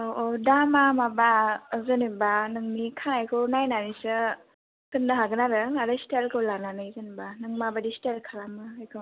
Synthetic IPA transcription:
oodamamabazənibanɯŋnikʰanajkʰɯwnajnanisɯ | tɯndaɦaɡɯnaɾɯnaɾɯstelkʰɯwlananɯjzənibanɯŋmabadistelkʰalamɯːjkʰɯ

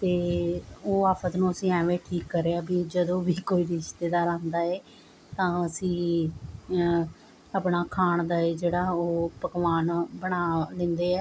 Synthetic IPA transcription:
t̪eːoːaːpʰət̪nũːəsĩːɛ̃ːʋeːʈʰiːkːəɾeːaːbiːd͡ʒəd̪õːʋiːkoːiːɾɪɪʃt̪eːd̪aːɾãːnd̪aːeː | t̪ãːəsĩː | aːpnaːkʰaːɳd̪aːeːd͡ʒeːɽaːoːpəkʋaːnbəɽ̃aːlɪ̃nd̪eːɛː

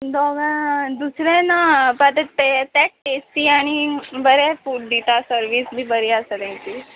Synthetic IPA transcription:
d̪ɔɡə̃d̪usɾɛ̃napat̪et̪ɛt̪ɛk̚ʈesʈ̪iːaɽ̃ibəɾɛfuɖ̚ɖ̪it̪asəɾʋisbʱiːbəɾiasət̪ɛ̃t̪i

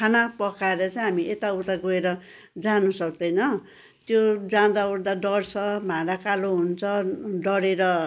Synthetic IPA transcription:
kʰanapʌkaeɾʌt͡sajɦamiʔet̪auɾd̪aɡoeɾʌ | d͡zanusʌk̚d̪ʌjnʌ | t̪jod͡zãd̪aurd̪aɖʌrt͡sʰʌmʱãɽakaloɦunt͡sʰʌɖʌɾeɾʌ

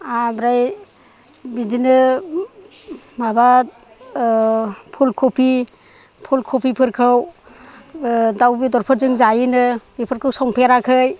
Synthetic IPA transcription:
abɾaj | bidinɯ | maba | pʰulkʰopʰi | pʰulkʰopʰipʰɯɾkʰɯw | dawbidɔɾpʰɯɾzɯŋzajinɯbipʰɯɾkʰɯwsɔŋpʰeɾakʰɯj

